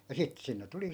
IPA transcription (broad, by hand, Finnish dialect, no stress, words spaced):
jɑ sit sinːe tuli